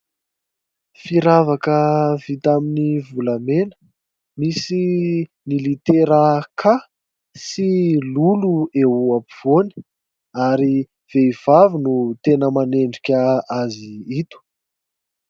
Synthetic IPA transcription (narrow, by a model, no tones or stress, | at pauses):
fiɾavakəvit̪aminivulamenə̥ | misi | nilit̪eɾəkʰa | siluluewapiv̥oni̥ | aɾi | v̥eiv̥avinut̪enəmaneɳɖ͡ʐikʲəaziit̪u̥